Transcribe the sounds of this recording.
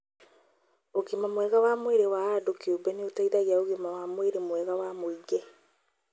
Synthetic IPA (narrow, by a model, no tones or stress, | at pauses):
oɣemamwɛɣawaːmweɾewaːdokiobɛneotaiðaɣeaoɣemawaːmweɾemwɛːɣawamoiɡɛ